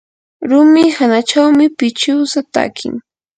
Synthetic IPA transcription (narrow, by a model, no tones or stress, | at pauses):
ɾʊmɪhanat͡ʃawmɪpɪt͡ʃɪwsat̪a̰kʰɪ̰ŋ